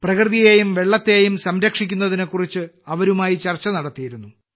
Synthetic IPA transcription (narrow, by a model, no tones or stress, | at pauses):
prɐkrðijeːjumʋe̞ɭːɐt̪ːeːjumsɐmɾɐkʂik̬ʲːunːɐðine̞kːurit͡ɕːɨɐʋɐɾumaːjit͡ɕɐrt͡ɕːɐnɐɽɐt̪ːijiɾunːu